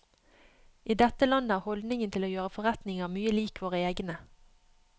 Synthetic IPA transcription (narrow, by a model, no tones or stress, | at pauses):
ʔiːd̪ɛt̪əlɑnəæːʁhɔld̪nɪŋənt̪ʰɪloːjøːʁəfɔʁɛt̪nɪŋɑmyːəliːkʰʋoːʁəeːɡnə